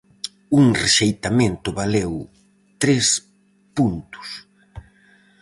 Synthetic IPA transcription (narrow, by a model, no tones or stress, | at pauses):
uŋreʃejt̪amẽnt̪ʊβalew | t̪ɾes | punt̪ʊ̥s